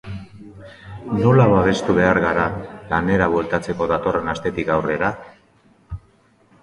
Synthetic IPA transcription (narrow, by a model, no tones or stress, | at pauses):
nolaβaβ̞e̞st̪uβe̞aɾɣaɾalane̞ɾaβwe̞lt̪at͡se̞ko̞ðat̪o̞re̞nast̪e̞t̪ikawre̞ɾa